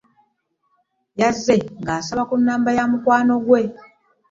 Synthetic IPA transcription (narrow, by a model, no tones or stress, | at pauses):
jazːeŋɡaːsaβakunːaːmbajamukwaːno̞ɡwe̞